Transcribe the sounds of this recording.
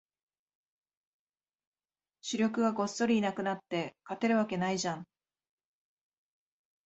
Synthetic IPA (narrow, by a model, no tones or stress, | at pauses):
ɕɨɾʲo̞kɯ̟ɡaɡo̞sːo̞ɾʲiːnakɯ̟nat̪ːe̞kat̪e̞ɾɯ̟β̞ake̞naiʑãŋ